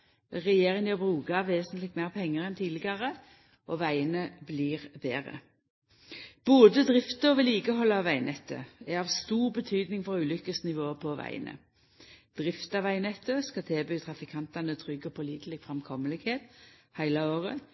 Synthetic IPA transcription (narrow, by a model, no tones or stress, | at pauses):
ʁɛjeːʁɪŋjəbʁʉːkɑʋeːsənt̪lɪk̪̚mæːʁpʰɛŋːəʁɛnt̪ʰiːlɪɡɑʁə | ʔɔʋæɪənəbliːʁbeːʁə̰ | b̥oːd̪əd̪ʁɪft̪əɔʋɛliːkəhɔlːɑʋæɪnɛt̪ʰːə̰æɑʋst̪uːʁbət̪ʰyːd̪nɪŋfɔʁʉːlʏkəsnɪʋoːpʰɔʋæ̰ɪə̰nʔə̰ | d̪̥ʁɪft̪ɑʋæɪnɛt̪ːəskɑt̪ʰeːbyːt̪ʰʁɑfɪkʰɑnt̪ɑnət̪ʰʁʏɡəpʰɔliːd̪əlɪkfʁɛmkʰɔməlɪkheːt̪hæɪlɑoːʁə